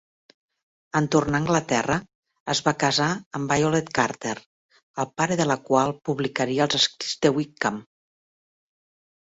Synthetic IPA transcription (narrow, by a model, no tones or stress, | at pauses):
ənt̪ornaəŋɡlət̪ɛrə | əzβakəzaəmbajolet̪kaɾt̪eɾ | əlˠpaɾəðələkwalˠpuβlikəɾiəːlˠzəskɾizd̪əwikam